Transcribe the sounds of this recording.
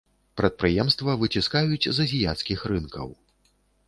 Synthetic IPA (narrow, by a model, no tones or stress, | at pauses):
pɾɐt̪̚pɾɨjɛmst̪vɐvɨt͡sʲiskajut͡sʲzɐzʲijat̪skʲixɾɨnkɐ̰w